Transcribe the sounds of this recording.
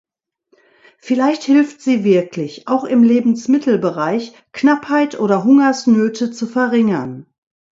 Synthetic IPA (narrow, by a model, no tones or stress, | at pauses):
fɪlaɪçthɪlftz̥iːvɪɐklɪçʔaʊxɪmleːbm̩smɪtʰl̩bəʁaɪç | knaphaɪtʔoːɾɐɦʊŋɐsnøːtʰət͡sufɛɐʁɪŋɐn